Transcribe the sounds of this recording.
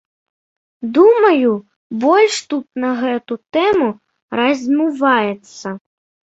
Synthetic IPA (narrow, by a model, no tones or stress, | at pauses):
d̪umɐju | bɔlʲʂt̪ut̪̚nɐɣɛt̪ut̪ɛmu | ɾɐzʲmʲuvajɛt̪sːɐ